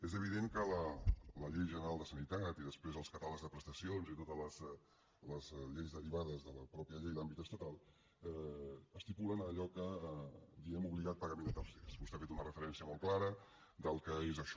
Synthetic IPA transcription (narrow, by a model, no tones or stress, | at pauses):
ezəβ̞iðeŋkələləʎejʒənəɾalˠd̪əsənit̪at̪iðəspɾezəlˠskət̪aləɡzðəpɾəst̪əsionzit̪ot̪ələzɛ | ləzʎejzðəɾiβaðəzðələpɾɔpiəʎɛjd̪ambit̪əst̪ət̪alˠ | ɛəst̪ipulənəʎɔkə | d̪iɣɛmuβliɣat̪̚pəɣəmẽnt̪əlsesust̪eafet̪unərəfəɾɛnsiəmɔlˠklaɾə | d̪əlˠkəezəʃɔ